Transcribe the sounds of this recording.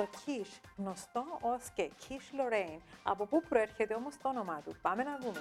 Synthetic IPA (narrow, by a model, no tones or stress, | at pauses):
to̞cʰiʃɣnost̪o̞oscecʰiʃloɾejnɐ̰po̞pupɾoe̞ɾçet̪eo̞most̪oono̞mɐt̪upɐme̞nɐðume